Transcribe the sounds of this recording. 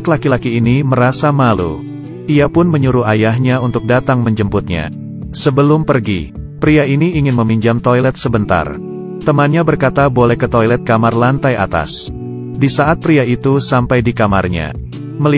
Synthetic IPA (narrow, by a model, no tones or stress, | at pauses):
klakilakiːniməɾasamalṵ | ʔiapʊnməɲuɾuajaɦɲaunt̪ʊk̚dat̪aŋməɲd͡ʒəmpʊt̪̚ɲa̰ | səbəlʊmpərɡḭ | pɾiainiːŋɪnməmiɲd͡ʒamt̪ojlɛt̪̚səbənt̪a̰r | t̪əmanɲabərkat̪abolɛhkət̪ojlɛt̪̚kamarlant̪aja̰t̪a̰s | disaʔat̪̚pɾiait̪usampajdikamarɲa̰ | məl